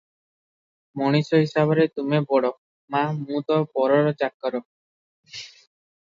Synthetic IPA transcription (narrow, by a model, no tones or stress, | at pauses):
mɔɽ̃isɔɦisabɔɾet̪umebɔɽɔ | mamũt̪ɔpɔɾɔɾɔd͡ʒakːɔɾɔ